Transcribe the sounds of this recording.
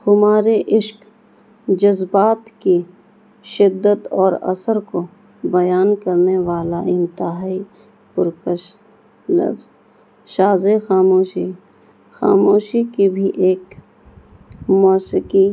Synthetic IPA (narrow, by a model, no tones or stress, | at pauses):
xʊmaːɾeʔɪʃk | d͡ʒɐzbaːt̪ki | ʃɪd̪ːət̪ɔːɾɐ̰səɾko | bɐjaːnkɐɾneʋaːlaɪ̃nt̪ɪɦaaːi | pʊɾkəʃ | lɐ̰fz | ʃaːzexaːmoːʃi | xa̰ːmoːʃikibʱiʔeːk | mɔːsɪki